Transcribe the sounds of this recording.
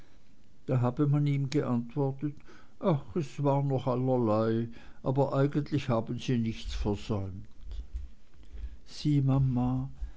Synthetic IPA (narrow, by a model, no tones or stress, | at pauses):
d̥aːɦaːbəmaniːmɡəʔantv̥ɔɐtət | ʔaxɛsv̥aːʁnɔχalɐlaɪʔaːbɐʔaɪɡəntlɪçhaːbn̩ziːnɪçt͡sfɛɐz̥ɔʏmtt | z̥iːmamːa